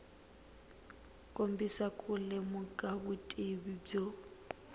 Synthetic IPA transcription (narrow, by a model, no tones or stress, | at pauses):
kʼom̩bisakʼʊlɛmʊkʼabʊtʼibib͡ʐo